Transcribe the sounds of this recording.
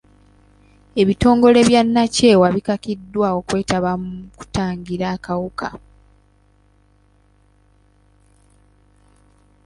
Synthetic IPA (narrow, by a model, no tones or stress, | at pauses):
e̞βito̞ːŋɡo̞le̞βjanːace̞ːwaβikakidːwaːo̞kwe̞ːtaβamuku̥taːɲɟiɾaːkawukʰa̰